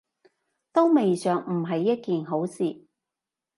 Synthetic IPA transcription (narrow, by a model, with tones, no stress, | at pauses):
t̪o˥wme˨jsœː˨ŋm̩˨˩ɦɐ˨jːɐ˥t̚kiː˨nɦo˨˥wsiː˨